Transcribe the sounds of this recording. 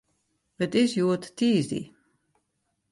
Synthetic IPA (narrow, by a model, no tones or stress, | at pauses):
ətɪsjuətːiːzdḭ